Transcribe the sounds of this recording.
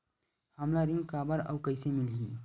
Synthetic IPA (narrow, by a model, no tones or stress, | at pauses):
həmlaɾĩŋɡkaːbəɾə̰ːkəɪsemɪlɡiː